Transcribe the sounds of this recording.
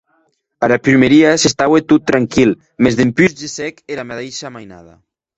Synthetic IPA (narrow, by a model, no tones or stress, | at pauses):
aɾapɾymeɾiasest̪awet̪ut̪ːɾaŋkil | mezðempyzd͡ʒesɛkeɾamaðejʃamajna̰ða̰